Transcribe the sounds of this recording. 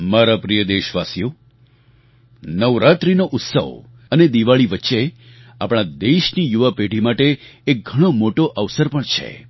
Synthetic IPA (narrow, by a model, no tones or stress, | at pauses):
maɾapɾijəd̪eʃʋasjo | nəʋɾat̪ɾinoʔʊt̪sə̰ʋ | əned̪iʋaɭiʋətːʃe | apɽ̃ad̪eʃnijuʋəpeɖʱimaʈeːk̚ɡʱəɽ̃omoʈoʔəʋsəɾpəɳt͡ʃʰḛ